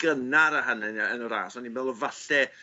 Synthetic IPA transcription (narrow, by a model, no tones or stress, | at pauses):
ɡ̥ənaɾaɦanɛnaənɔɾa̰ːsɔninvɛlˠɔvaɬɛ